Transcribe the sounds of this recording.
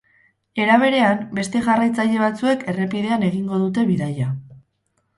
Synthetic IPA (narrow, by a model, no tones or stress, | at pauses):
e̞ɾaβ̞e̞ɾe̞ambe̞st̪e̞ʝarajt͡saʎe̞β̞at͡sue̞ke̞re̞piðe̞ane̞ɣiŋɡo̞ðut̪̬e̞βiðaja